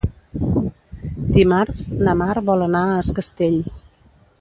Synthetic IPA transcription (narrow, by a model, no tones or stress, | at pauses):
d̪imaɾznəmaɾβɔlənaəskəst̪eʎ